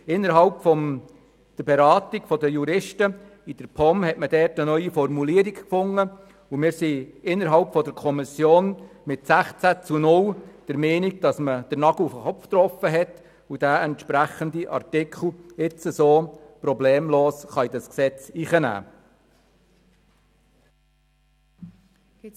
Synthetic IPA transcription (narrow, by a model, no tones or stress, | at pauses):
ɪnːəɾɦɑlpfɔm | d̪̥əɾbɛɾɑːt̪iɡfɔdəjuɾɪʃtə | id̥əɾpʰɔmhɛtmədɛːɾtənœʏifɔrmuliːəɾikkfʊŋːə | umɪːɾsiɪnːəɾɦɑlpfɔdəɾkʰɔmɪsjoːnmɪtsæχt͡sæt͡sunʊld̥əɾmɛːniɡ̚d̥ɑsməd̥əɾnɑɡ̥l̩ufəχɔpftɾɔfəɦɛt | ud̥æːɛntʃpɾæχəndiʔɑ̰ɾtɪkʰl̩ˠɪt͡səsoːprɔbleːmloːsχɑjdɑsksɛt͡siːχənæ̰ː